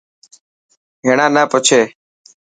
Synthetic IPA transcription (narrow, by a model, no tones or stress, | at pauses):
ɦeːɳãːnaːpət͡ʃʰeː